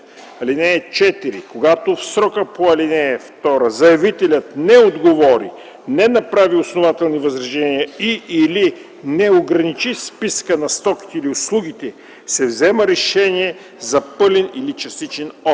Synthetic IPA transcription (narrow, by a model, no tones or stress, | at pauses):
ɐlinɛːt͡ʃɛt̪iɾikoɡat̪ofsɾɔkəpoɐlinɛft̪ɔɾəzɐjɛvit̪ɛlʲət̪nɛod̪ɡovɔɾḭ | nɛnɐpɾaviosnovat̪ɛlˠnivɐzɾɐʒɛnijəiʔːli | nɛoɡɾɐnit͡ʃispiskənɐst̪ɔki̥t̪ɛiliʊslˠuɡ̟it̪ɛ | sɛvzɛməɾɛʃɛniɛ | zɐpɤlɛnilit͡ʃɐst̪it͡ʃɛnɔ